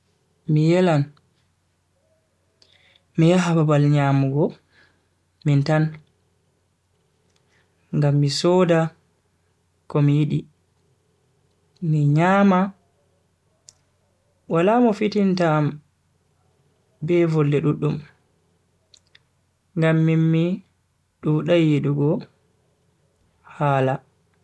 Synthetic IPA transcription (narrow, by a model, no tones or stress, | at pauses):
mijɛlan | mijaɦababalɲamuɡɔ | mintan | ŋɡamːisɔːda | kɔmijiɗi | miɲaːma | walaːmɔfitintaːm | bɛvɔlːɛɗuɗːum | ŋɡamːimːi | ɗuɗajiɗuɡɔ | haːla